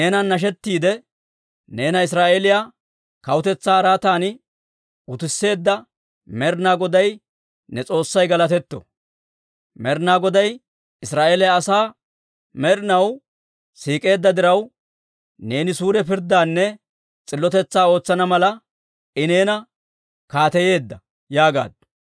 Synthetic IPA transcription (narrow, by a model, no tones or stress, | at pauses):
neːnɐnːɐʃ̬ɛt̪ːiːd̪ɛ | ne̞ːnɐɪs̬ɾaːʔelɪja | kɐwʊt̪ɛt͡sːaːɾaːt̪aːnɪ | ʊt̪ɪsːe̞ːd̪ːɐ | mɛɾnaːɡɔd̪ɐj | nɛt͡sʼo̞ːsːɐjɡɐlɐt̪ɛt̪ːɔ̰ | mɛɾnaːɡɔd̪ɐj | ɪsɾaːʔeːlɪjaːsaː | mɛɾɪnɐw | siːkʼe̞ːd̪ːɐd̪ɪɾɐw | ne̞ːnɪsuːɾɛpɪɾd̪ːaːnːɛ | t͡sʼɪlːɔt̪ɛt͡sːaːo̞ːt͡sːɐnɐmɐlɐ | ʔɪne̞ːnɐ | kaːt̪ɛje̞ːd̪ːɐ | jaːɡa̰ːd̪ː